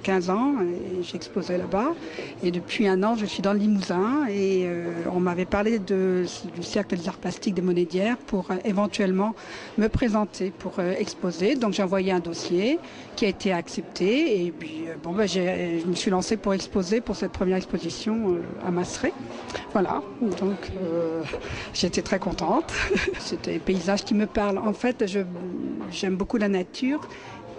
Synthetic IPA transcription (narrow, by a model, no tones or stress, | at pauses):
kʲɛ̃zɑ̃eeʒɛkspozelabaed̪əpɥiɛ̃nɑ̃ʒəsɥid̪ɑ̃ləlimuzɛ̃eøɔ̃mavɛpaʁled̪əd̪ysɛʁkləd̪ezaʁplast̪ik̚d̪emɔned̪jɛʁpuʁevɑ̃t̪ɥɛlmɑ̃ | məpχezɑ̃t̪ʰepuʁøɛkspozed̪ɔ̃kʒeɑ̃vwajeɛ̃d̪ɔsje | kʲiaet̪ʰeaksɛp̚t̪ʰeːpɥiøbɔ̃baʒeʒəməsɥilɑ̃sepuʁɛkspozepuʁsɛt̪̚pχəmjɛʁɛkspozisjɔ̃ø̰a̰masʁe | vwala̰ | d̪ɔ̃kʰø | ʒeet̪et̪χɛkɔ̃t̪ɑ̃t̪set̪ɛpeizaʒkʲiməpaʁlɑ̃fɛt̪ʒə | ʒɛmbokulanat̪ʰyːʁ